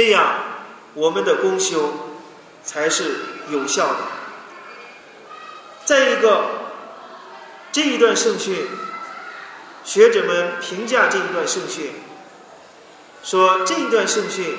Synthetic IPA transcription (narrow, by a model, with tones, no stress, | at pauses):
ʈ͡ʂɤ˥˧jɑ˥˩ŋ | wɔ˨˩mə˦nd̪ə˨kʊ˥ŋɕjo˥ʊ | t͡sʰa˧˥ɪʂɻ̩˥˩jo˨˩ʊɕjɑ˥˩ʊd̪ə̰˩ | t͡sa˥˩ɪi˧˥ɡə˥˧ | ʈ͡ʂɤ˥˩i˧˥t̪wa˥˧nʂɤ˥˧ŋɕy˥˩n | ɕɥɛ˧˥ʈ͡ʂɤ˨˩mə˧npʰi˧˥ŋt͡ɕja˥˧ʈ͡ʂɤ˥˩i˧˥t̪wa˥˧nʂɤ˥˧ŋɕy˥˩n | ʂwɔ˥ʈ͡ʂɤ˥˩i˧˥t̪wa˥˧nʂɤ˥˧ŋɕy˥˩n